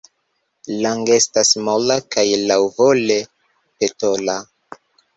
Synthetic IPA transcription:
laŋɡe̞stasmolakajlawvole̞ | pe̞tola

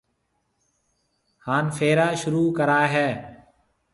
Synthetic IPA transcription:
haːnfʰeːɾaːʃʊɾuːkəɾaːɦɛː

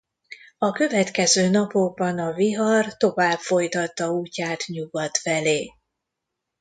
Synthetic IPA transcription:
ɒkø̞vɛt̪kɛzøːnɒpo̞ɡ̚bɒnɒviɦɒrt̪o̞vaːbfo̞jt̪ɒt̪ːɒuːcːaːt̪ɲuɡɒt̪fɛleː

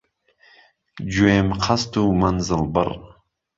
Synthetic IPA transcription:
d͡ʒuemqʰast̪umanzəlbə̰ɾ

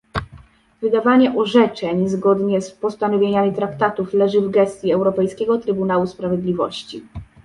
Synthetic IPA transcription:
vɘd̪avaɲɛʔɔʐɛt͡ʂɛɲzɡɔd̪ɲɛspɔst̪anɔvʲjeɲamʲit̪ɾakt̪at̪uflɛʐɘvɡɛst̪ʲjiɛwɾɔpɛjskʲɛɡɔt̪ɾɘbunawuspɾavʲjed̪lʲivɔ̰ɕt͡ɕi

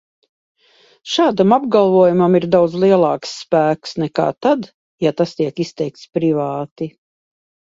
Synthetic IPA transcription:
ʃaːd̪amab̚ɡalˠvuɔjumamiɾd̪awd̪zlˠiɛlˠɑːksːpæːksnɛka̰ːt̪ad̪ | jat̪ast̪iɛkist̪ɛjk̚t̪spɾivaːt̪i

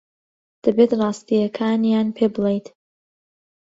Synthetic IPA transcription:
d̪̥ɐbeːt̪rˤɑːst̪ijɐkʰaːnjaːnpʰeːbɨlejt̪

